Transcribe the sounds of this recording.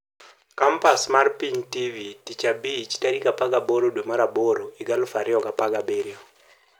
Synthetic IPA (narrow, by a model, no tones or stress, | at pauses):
kampasmarpiŋtivitit͡ʃabit͡ʃtaɾikapaɡaboɾodwemaɾaboɾoiɡalʊfaɾɪɔkapaɡabeɾɪɔ